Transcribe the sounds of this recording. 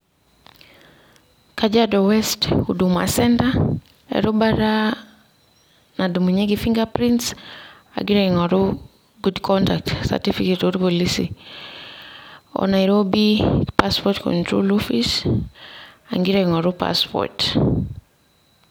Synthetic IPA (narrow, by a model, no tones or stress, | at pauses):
kad͡ʒadɔwɛstuduma̰sɛnta | ḛɾubaɾa | nadumuɲeɡifiŋɡapɾints | a̰ɡiɾɛŋɔɾu | ɡudkʰɔntak̚tsa̰tifiketoɾkolisḭ | ɔ̰najɾobipaspɔtkɔ̰ntɾo̰lofis | aŋɡiɾɛŋɔɾupa̰spɔ̰t